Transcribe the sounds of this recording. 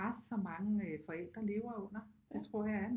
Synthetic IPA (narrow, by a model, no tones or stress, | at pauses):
assɒ̽mɑ̈ŋəfɒ̽el̰d̥ʁɐle̝ːʊɐɔ̽n̰ɐdet͡sʰʁɔ̝ɐ̰jɑ̈æɐn